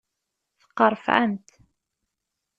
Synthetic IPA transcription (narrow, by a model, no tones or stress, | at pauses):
θə̥qːɑɾˤfʕa̰nt̪